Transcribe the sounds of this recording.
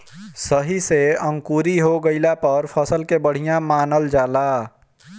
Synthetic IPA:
səɦiseə̃ŋkuːɾiɦoɡəɪlapəɾpʰəsəlkebəɽ̤ijãmaːnəld͡ʒaːlaː

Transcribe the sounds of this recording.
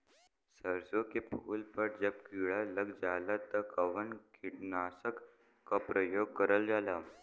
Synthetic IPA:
səɾsokepʰulpəʈ̚d͡ʑəb̚kiɭaləɡd͡zalat̪əkəʋənkʰiʈnasək | kːapɾəjoɡ̚kəɾəld͡zala

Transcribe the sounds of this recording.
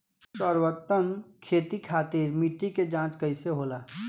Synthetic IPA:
səɾwət̪ːəmkʰeːt̪ikʰaːt̪iɾmiʈːiked͡ʒãːt͡ʃkəɪseɦoːla

